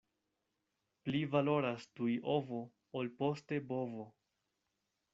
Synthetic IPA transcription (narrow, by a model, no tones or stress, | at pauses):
plivalo̞ɾastujʔo̞vo̞ | olpo̞ste̞bo̞vo